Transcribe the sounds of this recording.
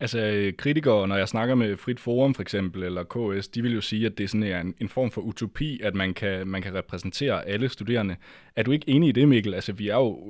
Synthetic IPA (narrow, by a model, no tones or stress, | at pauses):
ælsəøkʰʁit͡sʰiɡ̥ɐːnɒjɑ̈ɪsnɑ̈ɡ̥ɐmefʁid̥fo̝ːʁɒ̽mfɒeɡ̥sem̰b̥l̩elɐkʰo̰esd̥iʋe̝ljo̝siːæd̥e̝sɔ̽næɐe̝ne̝nfɒ̰ːmfɒ̽ʔut͡sʰo̝pʰḭːæd̥mænkʰæmænkʰæʁɛpʰʁɛsn̩t͡sʰe̝̰ːɐʔæləsd̥ude̝̰ːɐnə | æɐd̥ue̝ɡ̥əe̝ːnəid̥e̝me̝̰ɡ̥l̩ælsəʋiæɐjo̝